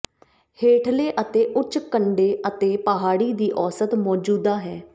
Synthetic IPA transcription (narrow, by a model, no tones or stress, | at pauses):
heːʈʰleːʔət̪eːʔʊt͡ʃkəɳɖeːʔət̪eːpəɦaːɽiːd̪iːʔɔːsət̪mɔːd͡ʒuːd̪aːɦɛː